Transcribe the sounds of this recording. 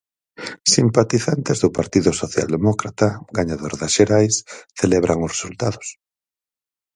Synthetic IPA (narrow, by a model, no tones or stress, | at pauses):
simpat̪iθant̪ezðʊpaɾt̪iðʊsoθja̰ld̪emɔkɾat̪aɡaɲaðoɾðasʃeɾajsθeleβɾʔaŋʊsresult̪aðʊs